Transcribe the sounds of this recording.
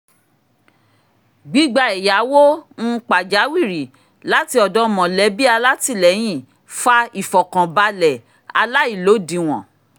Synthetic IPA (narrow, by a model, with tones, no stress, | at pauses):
ɡ͡bi˨˦ɡ͡ba˧ɛ˨ja˨˦wo˦n̩˦k͡pa˨d͡ʒa˨˦wi˦˨ɾi˨ | la˦ti˧ɔ˨dɔ̃˨˦mɔ̃˨lɛ˨˦bi˦a˧la˦ti˦˨lɛ˨˦j̃ĩ˦˨ | fa˦i˨fɔ˨kã˨ba˧lɛ˨ | a˧la˦i˦˨lo˨˦dĩ˨w̃ɔ̃˨